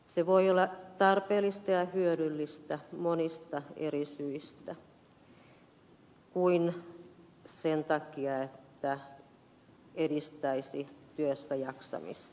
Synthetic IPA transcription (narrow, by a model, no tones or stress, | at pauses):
seʋoiolːɑt̪ɑrpeːlːist̪ɑjɑhyøɾylːist̪æmonist̪ɑḛrisyist̪æ | kuin | sent̪ɑkiɑet̪ːæ | eɾist̪æisit̪yøsːæjɑksɑ̰mḭst̪ɑ̥